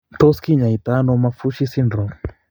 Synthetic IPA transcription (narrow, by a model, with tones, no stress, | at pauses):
t̪ɔ˦ski˦ɲa˨i˨t̪anɔ˦ma˧fu˦ʃi˦sindɾɔ˨